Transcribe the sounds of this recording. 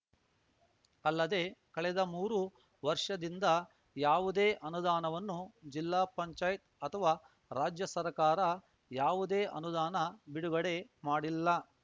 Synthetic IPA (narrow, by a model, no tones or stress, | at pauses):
ɐlːɐd̪e̞kɐɭɛd̪ɐmuːɾu | ʋɐɾʂɐd̪ind̪ɐ | jaːʋud̪e̞ːʔɐnud̪aːnɐʋɐnːud͡ʒilːaːpɐɲt͡ʃaːjit̪̚ɐt̪ʰɐʋaː | ɾaːd͡ʒjɐsɐɾkaːɾɐ | jaːʋud̪e̞ːʔɐnud̪aːnɐbiɽuɡɐɽe̞maːɽilːɐ